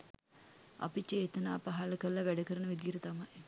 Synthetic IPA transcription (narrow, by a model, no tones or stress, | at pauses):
a̰pit͡ʃeːt̪ənaːpaɦaləkəɾəlɐʋæɖəkəɾənəʋid̪ijəɾət̪amaj